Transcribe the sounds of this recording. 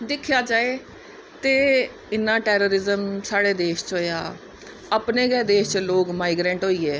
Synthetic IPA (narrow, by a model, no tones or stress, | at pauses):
d̪ɪkʰjaːd͡ʒaːeː | t̪eː | ɪnːãːʈɛːɾoːɾɪzəmsaːɽeːd̪eːʃt͡ʃɦoːja̰ː | əpneːɡɛːd̪eːʃt͡ʃloːɡmaːiɡɾɛ̃ːɳʈɦoːiːɛː